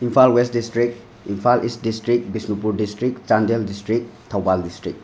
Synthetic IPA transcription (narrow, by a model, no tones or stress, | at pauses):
impʰalwestdistɾik̚t | impʰalʔist̚distɾik̚bisnupuɾdistɾik̚t͡ʃandeldistɾik̚tʰawbaldistɾik̚